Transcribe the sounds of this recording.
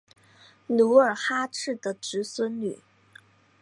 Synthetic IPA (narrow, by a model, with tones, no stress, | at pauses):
nu˧˥ə˞˨˩xa˥ʈ͡ʂʰɻ̩˥˩d̪ə˩ʈ͡ʂɻ̩˧˥swə˥nly̰˨˩˦